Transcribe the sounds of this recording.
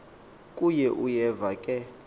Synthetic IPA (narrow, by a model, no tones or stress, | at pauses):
kʼujɛʔujɛvakʼɛ